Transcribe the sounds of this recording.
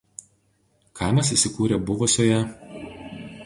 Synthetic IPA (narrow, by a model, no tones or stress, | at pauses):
kʰɑˑɪmɐs̬iˑsʲɪkuːɾʲeːbʊʋʊsʲoːjɛ